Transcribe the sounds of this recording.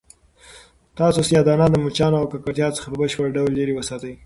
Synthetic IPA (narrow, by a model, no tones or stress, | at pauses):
t̪ɑsosjɑd̪ɑnad̪əmut͡ʃɑnoawkakaʈt̪jɑt͡sə̥xapəbəʃpəɾɖawlːeɾewəsɑt̪əj